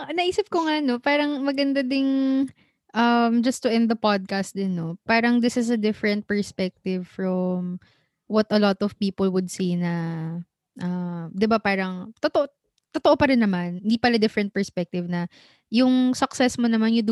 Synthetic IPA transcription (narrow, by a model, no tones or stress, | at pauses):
nɐʔiːsɪp̚koŋanopaːɾɐŋmɐɡɐnd̪ad̪ɪŋ | ʔɐmd͡ʒɐst̪ʊʔɛ̃nd̪d̪ɐpad̪̚kast̪̚d̪ɪnːopaːɾɐŋd̪ɪsɪsɐd̪ɪfɹɛnt̪̚pɛɹspɛk̚t̪ɪvfɹɔm | wɐt̪ɐlɔt̪ɔv̥piːpolwʊd̪̚sinɐ | ʔɐmd̪ɪbapaːɾɐŋt̪ot̪oʔo | t̪ot̪oʔopɐɾɪnːɐmanɪnd̪ipɐlad̪ɪfɾɛnt̪̚pɛɹspɛk̚t̪ɪvnɐ | jʊŋsɐksɛsmonɐmanjʊd̪